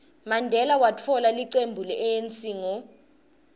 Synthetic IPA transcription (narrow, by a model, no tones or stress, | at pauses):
mandʱɛlawatʰɔlaliǀembʱulɛʔɛjent͡sʼiːŋɔ